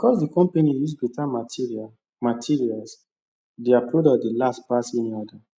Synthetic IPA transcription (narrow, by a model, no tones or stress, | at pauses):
bikɔsdikɔ̃mpenijusbitama | matʰiɹials | diapɹodɔdelaspaseniɔda